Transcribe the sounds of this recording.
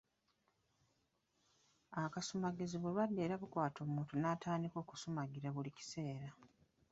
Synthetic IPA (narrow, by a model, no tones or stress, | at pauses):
akasumaɡeziβulwadːe̞ːɾaβukwaːtʰo̞ːmuːntunatʰaːndiko̞ːku̥sumaɡiɾaβulici̥se̞ːɾa